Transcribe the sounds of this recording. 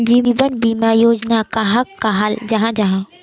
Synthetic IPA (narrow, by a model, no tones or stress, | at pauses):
d͡ʒiːʋənbiːmajoːd͡ʒnakaɦɐkːaɦald͡ʒɐɦãd͡ʒɐɦã